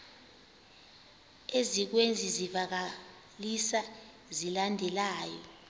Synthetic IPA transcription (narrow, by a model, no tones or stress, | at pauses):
ezik̬wend͡zʱizivak̬a | lisa | zilandʱɛlaːjɔ